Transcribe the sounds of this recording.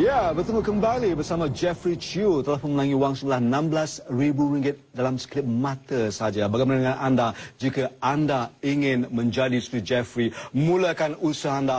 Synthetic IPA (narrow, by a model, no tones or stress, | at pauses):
jabərt̪əmukəmbalibərsamãd͡ʒɛfɾit͡ʃut̪əlahməmənãŋiwaŋsuŋlahnãmblasribuɾiŋɡɪt̪̚dalamsklɪp̚mãt̪əsəad͡ʒabaɡajmanadəŋãnandad͡ʒikaandaiŋɪ̃nmə̃nd͡ʒadisu̥k̪ud͡ʒɛfɾimũləkanusanda